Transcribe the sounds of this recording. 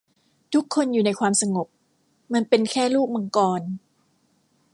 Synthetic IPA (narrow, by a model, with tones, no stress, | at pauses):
t̪ʰu˦˥kʰːo˧njuː˨˩na˧jkʰwaː˧msa˧ŋo˨˩p̚ | ma˧npe˧nkʰɛː˥˩luː˥˩k̚ma˧ŋkɔː˧n